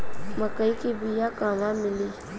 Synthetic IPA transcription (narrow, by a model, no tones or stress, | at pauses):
məkəikibijakaːmãmɪliː